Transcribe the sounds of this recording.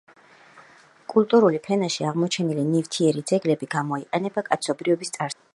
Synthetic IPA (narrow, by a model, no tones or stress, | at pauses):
kʼulˠt̪ʼuɾulipʰɛnaʃiaʁmɔt͡ʃʰɛnilinift̪ʰiɛɾid̪zɛɡlɛbiɡamɔiqʼɛnɛbakʼat̪sʰɔbɾivɔbist̪sʼaɾ